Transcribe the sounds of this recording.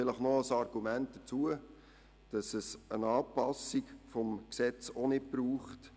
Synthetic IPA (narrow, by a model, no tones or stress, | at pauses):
fɪləχnɔəsɑɾɡ̥umænt̚d̥ət͡suə | d̥ɑsəsənɑːpɑsikfɔmksɛt͡sonɪt̚b̥ɾuːχt